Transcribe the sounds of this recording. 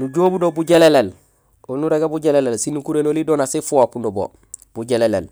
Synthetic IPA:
nuɟoːbudobuɟelelel | onuɾeɡabuɟelelelsinukuɾenolidoːnasifuwakundobo̰ | b̥uɟelelḛl

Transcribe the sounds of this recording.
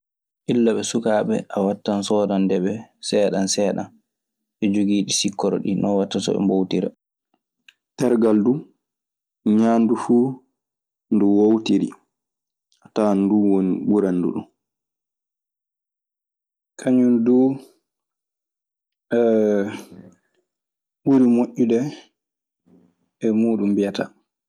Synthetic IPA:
ʔilːaɓɛsukaːɓɛ̰ʔawatːansɔːdandɛɓɛsɛːɗansɛːɗa̰n | ʔɛd͡ʒoɡiːɗisikːɔɾɔ̰ɗḭnɔwatːasɔ̰ɛ̰mbowtiɾa̰ | tɛɾɡaldu | ɲaːndufuː | nduwowtiɾḭ | ataːnduwoniɓuɾandṵɗṵn | kʰaɲunduː | ɛ | ɓuɾimoʔːudɛ | ɛmuːɗumbijata

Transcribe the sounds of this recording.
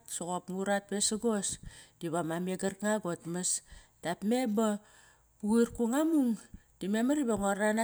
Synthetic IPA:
tsoɣopŋuɾat̚besaɡosd̥iβamameɡarkŋaɡotmastapme̞ba | uiɾkuŋamuŋd̥imemaɾibaŋoɾana

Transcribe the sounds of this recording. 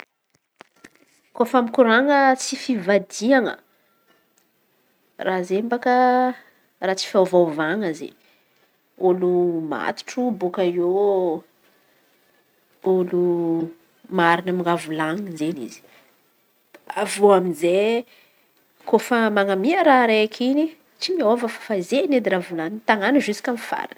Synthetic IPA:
kofamikuɾaŋət͡sifivad̪iaŋə̰ | razembakə | raːt͡si̥fawvavaŋəzḛ | oluma̰t̪u̥ʈ͡ʂubokaio | olu | maɾinəmiŋɡavulaŋizenḭz̥i̥ | avoaminze | kofəmaŋamiəɾaɾeakʰini | t͡simiovəfḁfazened̪iɾavulant̪aŋanəʒusi̥kʲamifa̰ɾa̰n

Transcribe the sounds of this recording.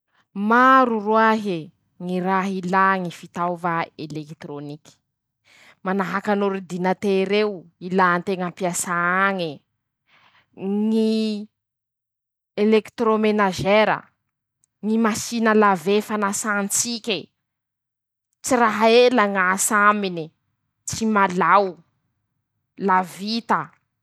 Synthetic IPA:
maɾuruaɦi | ŋiraɦilaŋifit̪awvaelekt̪ɾoniki̥ | manaɦakanuɾid̪inat̪eɾewilant̪eŋampiasaaŋi | ŋi | elekt̪ɾomenaʒeɾə̰ | ŋimasinəlavefanasant͡sikʲe | t͡siraɦaelaŋasamini | t͡simalaw | lavit̪ə

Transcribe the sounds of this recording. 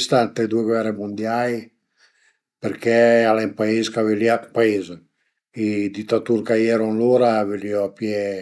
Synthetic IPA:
st̪ant̪ed̪ueɡwɛremund̪jaj | peɾkʰɛalɛmpaezkaveljatpaez | id̪it̪ːat̪uɾkajɛɾonloɾaveliɔpjɛ

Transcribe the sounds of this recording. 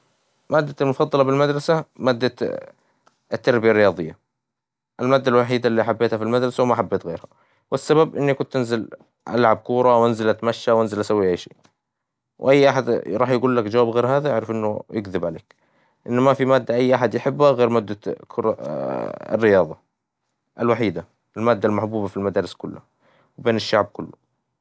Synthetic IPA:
maːd̪ːalmʊfɑd̪ˤːɑlɑbɪlmad̪ɾˤɑsamaːd̪ːa | t̪ːɑɾˤbɪjarːɪjɑːðˤɨjːa | ʔalmaːd̪ːalwaħiːd̪alːiːaħabːeːt̪hafilmad̪ɾˤɑsawmaʔħabːeːt̪ɣḛːɾha | wɪsːababʔɪnːikʊnt̪ʔɪnzɪl | ʔa̰lʕab̚kuːɾˤɑwʔanzalat̪maʃːawʔanzɪlʔasawːiʔajʃḛː | wʔajːʔaħad̪ɾˤɑːħjɪɡuːlːakd͡ʒawaːbɣeːɾɦaːðajaʕɾɪfʔɪnːʊjɪɡðɪbʕalḛːk | ʔɪnːmafimaːd̪ːaʔajːʔaħad̪jɪħɪbːhaɣeːɾmad̪ːakʰʊɾ̰ˤ | rːɪjɑːðˤɑ | ʔalwaħiːd̪a | ʔɪlmaːd̪ːalmaħbuːbafilmad̪aːɾɪskʊlːa | wbeːnɪʃːaʕb̚kʊlːʊ

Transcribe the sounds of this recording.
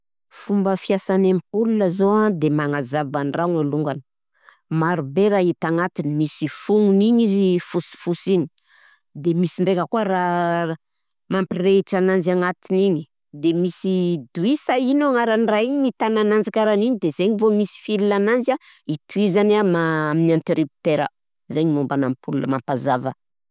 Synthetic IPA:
fumbəfiasanamipulunəzoad̪emaŋazavaniraŋaluŋɡanə̥ | maɾubeɾait̪aŋat̪inimisifuŋuniɲizifusi̥fusini | d̪emisiɳɖ͡ʐekəkuaɾa | mampireʈ͡ʂananzaŋat̪iniɲi̥ | d̪emisid̪uisainoaŋaɾanraiɲnit̪ananand͡zakʲaɾaniɲid̪ezeɲivomisi̥filinananza | it̪uizanamaaminant̪eɾipi̥t̪eɾə̰ | zeɲimumbanampulunə̰mampazavə

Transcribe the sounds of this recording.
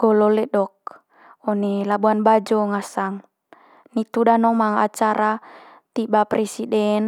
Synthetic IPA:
ɡ̥ɔlɔlɛɗɔk̚ | ɔnɛlabuanbad͡ʒɔŋasaŋ | nit̪udanɔmaŋat͡ʃaɾʔa | t̪ibapɾɛsidɛn

